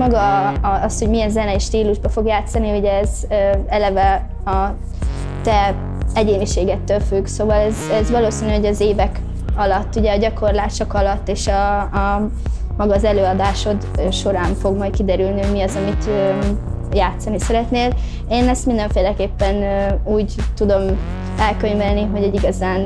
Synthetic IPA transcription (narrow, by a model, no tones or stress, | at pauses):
mɒɡɒɒsho̞ɟmijɛnzɛnɛiʃt̪iːluʒbɒfo̞ɡjaːt̪sɒniuɟɛːz | øɛlɛvɛ | ɒ | t̪ɛ | ɛɟeːniʃeːɡɛt̪ːølfyɡsoːvɒlɛzɛzʋɒloːsinyɦoɟɒzeːvɛk | ɒlɒt̪ːuɟɛːɟɒko̞rlaːʃokɒlɒt̪ːeːʃɒː | mɒɡɒzɛløːɒd̪aːʃo̞d̪ʃo̞ɾaːɱfo̞ɡmɒjt̪kid̪ɛɾylniɦoɟmiɒzɒmit̪ø | jaːt̪sɒnisɛɾɛt̪neːl | eːnɛst̪mind̪ɛɱfeːlɛkeːpːɛnuːɟt̪ud̪o̞m | ɛlkøɲvɛlniɦo̞ɟɛɟiɡɒzaːn